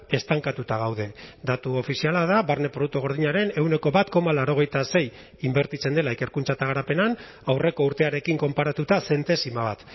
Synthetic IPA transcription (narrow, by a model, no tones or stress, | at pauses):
e̞st̪aŋkat̪ut̪aɣ̞awðe̞d̪at̪uo̞fisialað̞aβaɾne̞pɾo̞ðuk̚t̪oɣo̞ɾð̞iɲaɾe̞ne̞wne̞ko̞βat̪ko̞malaɾo̞ɣ̞e̞jt̪ase̞j | imbe̞ɾt̪it͡se̞nd̪e̞laeke̞ɾkunt͡sat̪aɣ̞aɾape̞nan | awre̞ko̞uɾt̪e̞aɾe̞kiŋko̞mpaɾat̪ut̪ase̞nt̪e̞simaβat̪